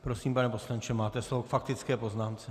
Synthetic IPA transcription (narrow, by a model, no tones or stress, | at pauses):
pɾosiːmpanɛpo̞slant͡ʃɛmaːt̪ɛslovokfak̚t̪ɪt͡skɛːpo̞znaːmt͡sɛ